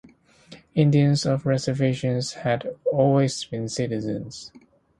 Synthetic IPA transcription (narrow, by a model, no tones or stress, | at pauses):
ɪ̃ndiə̃nzɔvɹɛzə˞veɪʃə̃nz̥hædɔlˠwizbɪ̃nsɪɾɪzə̰̃nz̥